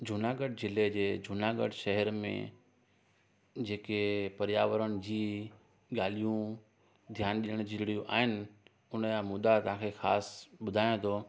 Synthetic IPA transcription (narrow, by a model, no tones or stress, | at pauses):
d͡ʑʱʊnaːɡəɖ̚zɪled͡ʑeːd͡ʑʱʊnaːɡə̰ɖʃɐɦɛɾmḛ̃ | d͡ʑeːkepɐɾjaːʋəɾəɽ̃ɪ̆d͡ʑiː | ɠaːlijũ | d̪ʱjaːnɗiəɽ̃d͡ʑɪɾɪɽijũʔa̰ːɦɪnɪ̆ | ʊnəjãmʊd̪at̪ɐʋ̤ãkʰexaːsɓʊd̪ʱaːjõt̪ʰoː